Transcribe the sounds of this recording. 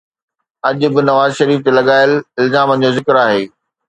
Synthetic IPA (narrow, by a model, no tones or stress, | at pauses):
ɐʄʊ̆bɪ̆nɐʋaːzʃɐɾiːft̪elɐɠaːɪəlɪlzaːmə̃̆d͡ʑozɪkɪɾaːɦeː